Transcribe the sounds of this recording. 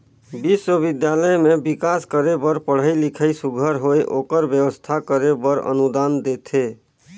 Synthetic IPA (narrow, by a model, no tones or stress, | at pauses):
biswəbid̪jaləjmebikaskəɾebəɾpəɽ̤əjlikʰəjsuɡʱəɾɦoeʔokəɾbjəwəst̪ʰakəɾebəɾə̰nud̪and̪et̪ʰe